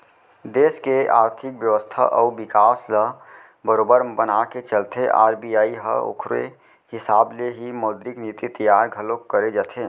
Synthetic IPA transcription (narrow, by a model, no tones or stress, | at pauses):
d̪eːskeaːɾt̪ʰɪkbjəʋəst̪ʰa̰ʔɔːbɪkaːslə | bəɾoːbəɾbənaket͡ʃəlt̪ʰeʔa̰ːɾbijaːiɦə̰o̰kʰɾḛ | hɪsaːbleɦimɔːd̪ɾɪkniːt̪it̪əjaːɾɡʱəlokəɾed͡ʒat̪ʰeː